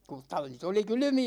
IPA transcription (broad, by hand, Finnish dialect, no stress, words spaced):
ku tɑlːit oli kylymiæ